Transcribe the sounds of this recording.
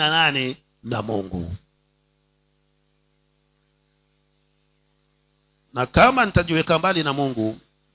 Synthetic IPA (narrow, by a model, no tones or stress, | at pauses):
ananɛ | na̰muŋɡṵ | nakaman̩taʄiwɛkambalinamuŋɡu